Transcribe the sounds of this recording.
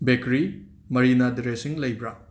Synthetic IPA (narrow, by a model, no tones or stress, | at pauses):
bekɾi | mɐɾinadɾesiŋlɐjbɾa